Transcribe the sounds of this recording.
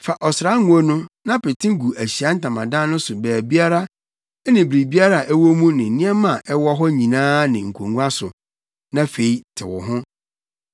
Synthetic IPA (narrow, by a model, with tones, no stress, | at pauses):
fa˨ʔɔ˨sɾa˦ŋũ˨o˦nʊ̃˦nã˦pɪ˨tʰɪ̃˦ɡu˨ʔæ˨ɕi˨a˦n̩˦tã˨mã̰˨dã˦nʊ̃˦sʊ˨bæː˨bi˦a˦ɾa˦ | ɛ˦nɪ̃˨bɾi˨bi˦a˦ɾa˨ʔɛ˦wɔ˦mũ˦nɪ̃˨nĩ˦ɛ˦mã˨ʔɛ˦wɔ˦ɦɔ˦ɲĩ˨nãː˦nɪ̃˨ŋ̩˨kʰo˨ŋũ˦a˦sʊ˨ | nã˦fe˨i˦tʰɪ̰˨wʊ̰˨ɦʊ̃˦